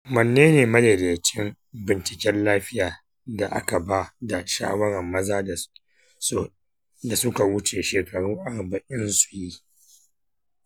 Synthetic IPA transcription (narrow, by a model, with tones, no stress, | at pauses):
mɐ˨nːeː˦neː˨mɐ˦le˨deː˨t͡ʃɪ˦m | bɪ˨nt͡ʃɪ˨kʲɛ˦nlaː˦ɸɪ˦jaː˨ | da˨ʔa̰˦ka˨ba˦da˨ʃa̰ː˦wɐ˦ɽɛ˨mːɐ˦zaː˦˨˦ | da˨sʊ˦ka˨wʊ˦t͡ʃeː˨ʃeː˨kɐ˨ɽuː˦ʔa˨ɾbɐ˨ʔɪ˦nsu̥˨ji˦